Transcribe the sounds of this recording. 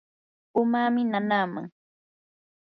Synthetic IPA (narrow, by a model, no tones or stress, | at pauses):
ʊmaːmɪnanaːma̰ŋ